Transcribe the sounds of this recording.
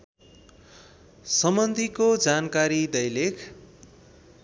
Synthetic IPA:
sʌmbʌnd̪ʱikod͡zankaɾid̪ʌjlekʰ

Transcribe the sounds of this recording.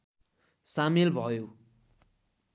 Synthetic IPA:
samilbʱʌjo

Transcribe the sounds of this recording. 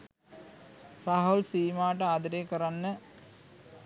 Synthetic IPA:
raɦulsiːmaːʈ̬əaːd̪ɐɾeːkəɾanːə

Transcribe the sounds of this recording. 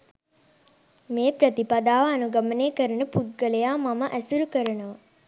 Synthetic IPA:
meːpɾət̪ipad̪aːʋːnuɡɐməneːkəɾənəput̪̚ɡəlejaːmaməʔæsuɾukəɾənəʋɐ

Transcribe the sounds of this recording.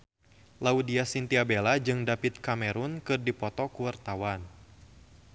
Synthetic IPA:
laudiasint̪iabelad͡ʒɨŋdapɪt̪̚kamɛɾunkɨrdipɔt̪ɔkuwart̪awan

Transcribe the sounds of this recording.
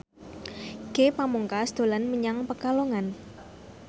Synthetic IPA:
ɡ̥epamuŋkasd̪̥o̤lanməɲaŋpəkaloŋan

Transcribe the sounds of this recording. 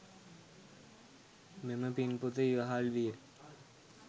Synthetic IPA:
meməpinput̪əiʋaɦalʋiːɾ

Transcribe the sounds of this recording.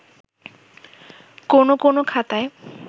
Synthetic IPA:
konokonokʰat̪ae

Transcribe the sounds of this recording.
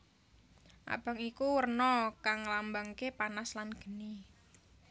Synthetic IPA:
ʔa̰b̥a̤ŋikuwərnɔkaŋːəlambaŋkepanaslanɡ̥ə̤ni

